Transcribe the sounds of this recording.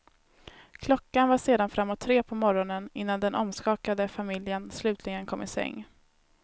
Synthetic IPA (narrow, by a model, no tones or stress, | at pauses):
kʰlɔkːanvaʂeːd̪anfɾamːɔt̪ʰːɾeːpʰɔmɔɾɔnənɪnːand̪ɛnʔɔmskɑːkad̪əfamɪljənslʉ̟ːt̪ʰlɪɡənkʰɔmːɪsɛ̰ŋː